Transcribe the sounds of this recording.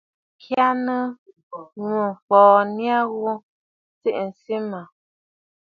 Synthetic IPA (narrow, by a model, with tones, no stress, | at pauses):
kʰja˦nə˦ | ŋu˨fɔː˨nja˦ɣu˦ | t͡se˦ʔn̩˨si˦ma˨